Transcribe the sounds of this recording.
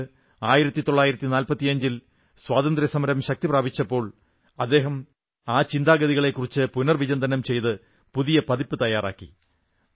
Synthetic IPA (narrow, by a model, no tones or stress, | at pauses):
aːjiɾɐt̪ːit̪o̞ɭːaːjiɾɐt̪ːinaːlpɐt̪ːiɐɲd͡ʑil | swaːd̪ɐnd̪ɾjɐsɐmɐɾɐmɕɐk̚t̪ipraːbit͡ɕːɐpːo̞ːɭ | ɐd̪ːe̞ːɦɐm | aːt͡ɕind̪aːɡɐðiɣɐɭe̞kːurit͡ɕːɨpunɐrʋid͡ʑɐnd̪ɐnɐmt͡ɕe̞jt̪ɨ | puðijɐpɐðipːɨt̪ɐjaːra̰ːkːḭ